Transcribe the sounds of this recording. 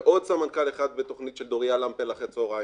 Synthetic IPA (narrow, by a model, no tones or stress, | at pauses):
ʔodsamankaleχad̪̚bet̪o̞χnit̪ʃeld̪oʁijalampelaχet͡soʁa